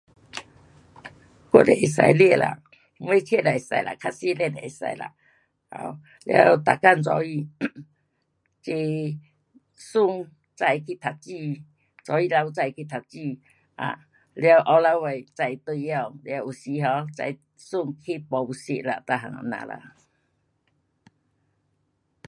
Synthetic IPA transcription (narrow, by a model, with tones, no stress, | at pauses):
ko̰˦˧˦de˨ʔi˨sa̰˧jli˧˨la̰˨˧˦ | we˧˦t͡ɕʰe˦˨la˨i˨sa̰˧jla̰˨kʰa˧˦si˦lɛ˧˨de˨e˨sa̰˧jla̰˨ | ha̰˧ | lja̰˧wt̪a˨ka˥˧˨nt͡sɔ˧˦i˧˨ | t͡ɕe˧ | su˧ŋ | t͡sa˧jkʰi˧t̪ʰa˨˩t͡ɕi˧ | t͡sɔ˨˦i˧la˧wt͡sa˧jkʰi˧t̪ʰa˨˩t͡ɕi˧ | ʔa̰˨ | lja˧wʔa˧wla˧˦wwe˨˩t͡sa˧jt̪wu˧ja˧wlja˧wʔu˨si˧˦ɦɔ˧˦t͡sa̰˧j | su˥˧˨ŋkʰi˦pɔ˧u˧si˧˨la̰˧t̪a˧ɦa̰˨ŋa̰˨nã̰˨la̰˧˨